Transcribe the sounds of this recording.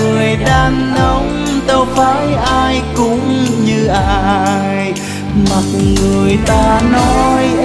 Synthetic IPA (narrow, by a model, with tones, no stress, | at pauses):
ɨ˨˩əjɗaː˧nːə˨˦wŋ͡m | t̪o˧faː˧˥jʔaː˧jkʊ˧˥ŋ͡mɲɨ˧ʔa˧j | ma˨˩t̚ŋɨ˨˩əjt̪aː˧nɔ˨˧˦j